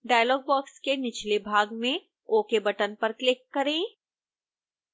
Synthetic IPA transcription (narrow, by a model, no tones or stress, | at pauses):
ɖaːjlɔːɡ̚bɔːkskenɪt͡ʃʰlebʱaːɡmẽ | oːkebɐʈənpɐɾklɪkːɐɾẽː